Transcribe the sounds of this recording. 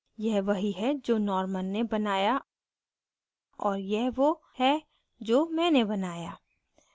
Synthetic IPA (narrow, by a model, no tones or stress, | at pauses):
jɛɦʋɐɦiɦɛd͡ʒoːnɔːɾməlːebɐnaːja | ɔːɾjɛɦʋo | hɛ | d͡ʒoːmɛ̃ːnebɐnaːjaː